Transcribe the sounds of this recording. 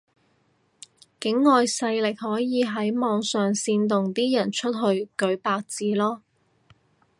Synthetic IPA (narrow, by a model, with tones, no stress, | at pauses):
kɪ˨˥ŋːɔː˨jsɐ˧jlɪ˨k̚ɦɔː˨˥jiː˨˧ɦɐ˨˥jmɔː˨ŋsœː˨ŋsiː˧nt̪̬ʊ˨ŋt̪iː˥jɐ˨˩nt͡ʃʰɵ˥t̚ɦɵ˧ɥkɵ˨˥ɥpaː˧k̚t͡siː˧lɔː˥